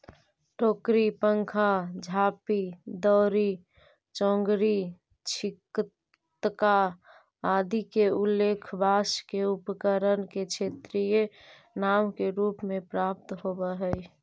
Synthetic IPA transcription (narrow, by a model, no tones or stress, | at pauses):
ʈoːkɾipəŋkʰad͡ʒʱapid̪ɔːɾi | t͡ʃɔ̃ːŋɡɾi | t͡ʃʰik | t̪ka | ad̪ikeulːekʰbʱaskeupkəɾənket͡ʃʰet̪ɾije | namkeɾupmẽpɾap̚t̪ɦobəɦəj